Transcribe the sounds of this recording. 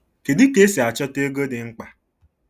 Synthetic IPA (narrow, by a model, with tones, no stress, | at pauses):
ke˨dɪ˦ke˦si˨a˨t͡ʃɔ˦te˦ɡo˦dɪ˨ŋ͡m̩˦k͡pa˨